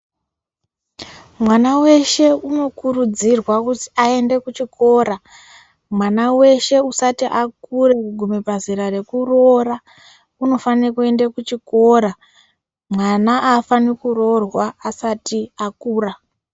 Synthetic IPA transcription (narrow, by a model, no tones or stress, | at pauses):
mwanawe̞ʃe̞uno̞kurud͡zirwakuti̥ae̞nde̞kut͡ʃiko̞ɾa | mwanawe̞ʃe̞usatiʔakurekuɡʱumepaziɾare̞kuro̞ra | uno̞fanekue̞ndekut͡ʃiko̞ɾa | mwanaʔafanikuro̞rwaːsatiakuːra